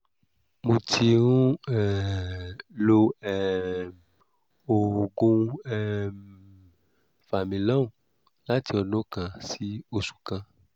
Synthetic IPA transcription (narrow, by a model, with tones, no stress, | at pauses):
mũ˨t͡ʃi˧ŋũ˦ɛ˨ | lo˧ɛ˨ | o˨ɡũ˧ɛ˦ | fa˨mĩ˨lã˦˨ | la˦t̪i˧˦ɔ˧nõ˦kã˨si˦o˨su̥˨kã˧